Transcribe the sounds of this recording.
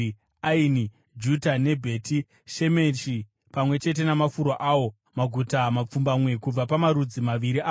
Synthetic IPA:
aini | d͡ʒutane̞bʱe̞ːti | ʃe̞me̞t͡ʃi | pamwe̞t͡ʃe̞t̬e̞namafuɾoʔawo̞ | maɡʱutamap͡fumbamwe̞kub͡vapamaɾud͡zimaʋiɾiʔaː

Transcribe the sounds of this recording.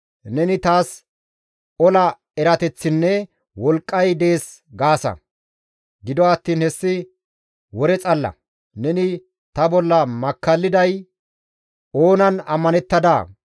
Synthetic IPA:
nɛnɪt̪aːs | ɔlɐ | ɛɾɐt̪ɛt͡sːɪnːɛ | wɔlkʼːɐjd̪e̞ːs | ɡaːsɐ̰ | ɡɪd̪ɔɐːt̪ːiːnhɛsːɪ | wɔɾɛt͡sʼɐlːɐ̰ | nɛnɪ | t̪ɐbɔlːɐmɐkːɐlːɪd̪ɐj | o̞ːnɐnɐ̰mːɐnɛt̪ːɐd̪a̰ː

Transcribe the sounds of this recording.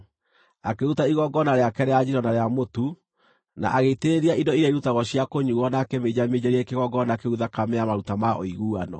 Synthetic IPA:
akeɾutaiɣɔɡɔnaɾeakɛɾɛad͡ʑiɾɔnaɾeamotu | na̰ʔaɣeiteɾeɾiaʔidɔiɾeiɾutaɣɔɕjakoɲuɣɔnaːkɛmed͡ʑamed͡ʑaɾiɛkeɣɔɡɔnakeuðakameamaɾutamaʔo̰iɣuːanɔ̰

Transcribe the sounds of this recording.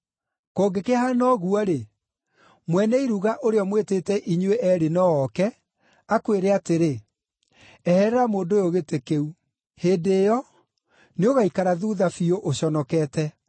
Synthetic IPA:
koːɡekehanɔɣuɔɾe | mwɛnɛiɾuɣaʔoɾeɔmweteːtɛʔiɲweʔɛɾenɔɔkɛ | akweɾeateɾe | ɛhɛɾɛɾamoːndojoɣetekeu | heːndeːjɔ | neoɣaikaɾaðuðafioʔoɕɔnɔkɛːtɛ

